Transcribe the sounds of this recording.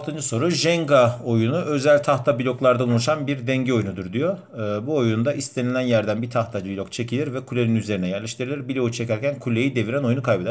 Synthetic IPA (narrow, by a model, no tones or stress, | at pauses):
lˠt̪ʰɯnd͡ʒɯso̞ɾuʒɛŋɡao̞junuø̞zælʲt̪ʰaxt̪ʰabilʲo̞klˠaɾd̪aulˠuʃanbiɾd̪ɛɲɟio̞junud̪uɾd̪ijo̞ː | buojund̪aʔist̪ʰe̞nilʲænjæɾd̪ænbit̪ʰaxt̪ʰad͡ʒbilʲokt͡ʃʰe̞cʰilʲiɾvɛkʰulʲe̞ninyze̞ɾinɛjæɾlʲeʃt̪ʰiɾelʲiɾbilʲout͡ʃʰe̞cæɾcʰænkʰulʲe̞jid̪e̞viɾɛno̞junukʰajbed̪